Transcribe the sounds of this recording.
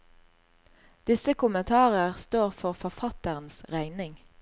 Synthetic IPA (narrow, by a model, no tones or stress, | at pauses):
d̪̥ɪsəkʊmənt̪ʰɑːʁəʁst̪oːʁfɔʁfɔfɑt̪əʁn̩sʁæɪnɪŋ